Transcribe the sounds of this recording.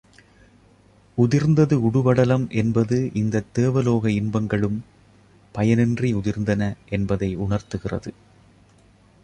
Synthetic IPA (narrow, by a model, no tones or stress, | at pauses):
ʊðɪɾnd̪ɐðɯʊɽʊʋɐɽɐlɐmʔɛnbɐðɯʔɪnd̪ɐt̪ːeːʋɐloːɣɐɪnbɐŋɡɐɭɯm | pɐjɐnɛndriʊðɪɾnd̪ɐnɐʔɛnbɐðɐɪʊɳɐɾt̪ɯɣɪrɐ̰ðɯ